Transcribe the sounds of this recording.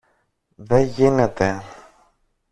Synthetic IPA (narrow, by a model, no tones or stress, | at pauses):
ðeʝine̞t̪e̞